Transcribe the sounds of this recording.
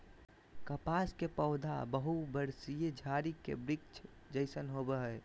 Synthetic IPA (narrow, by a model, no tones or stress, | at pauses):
kəpaskepəʊd̪ʱa̰bəɦubəɾsijed͡ʒʱaɾikḛbɾɪk̚t͡ʃʰ | d͡ʒəɪsənɦobəɦəe